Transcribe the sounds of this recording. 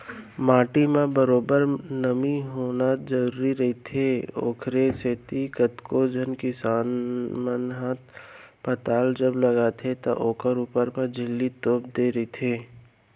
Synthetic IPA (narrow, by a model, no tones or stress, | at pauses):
maːʈimẽbəɾoːbəɾnəmiɦoːnad͡ʒəɾuːɾiɾɐɦit̪ʰeo̰ːkʰɾeseːt̪ikət̪kod͡ʒʱənkɪsaːnmənɦaːt̪̚ | pət̪aːld͡ʒəblɐɡat̪ʰet̪o̰ʔoːkʰəɾuːpəɾmẽd͡ʒʱɪlːit̪oːp̚d̪eːɾɐit̪ʰeː